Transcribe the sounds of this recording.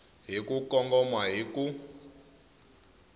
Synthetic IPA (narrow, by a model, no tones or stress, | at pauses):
ɦikukɔŋɡɔmwaɦiku